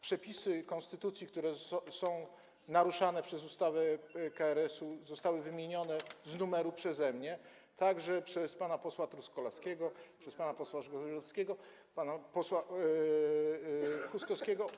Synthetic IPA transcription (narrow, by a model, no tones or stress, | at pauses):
pʂɛpʲisɘkɔnst̪ɘt̪ut̪sʲjik̚t̪uɾɛsɔ̃w̃ | naɾuʂanɛpʂɛzust̪avɛkaɛɾɛsuzɔst̪awɘvɘmʲjeɲɔnɛznumɛɾupʂɛzɛmɲɛ | t̪ʰaɡʐɛpʂɛspanapɔswat̪ɾuskɔlaskʲɛɡɔpʂɛspanapɔswaʐɡɔɔskʲɛɡɔ | panapɔswa | xuskɔskʲɛɡɔ